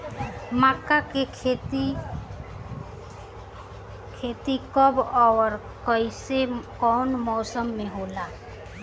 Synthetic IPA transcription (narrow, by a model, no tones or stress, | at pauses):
maːkaket̪ | kʰeːt̪ikəbɔːɾ | kəisekɔːnmɔːsəmːẽɦoːlaː